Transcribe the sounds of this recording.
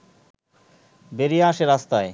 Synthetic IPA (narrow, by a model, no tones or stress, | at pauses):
beɾiaʃeɾast̪ae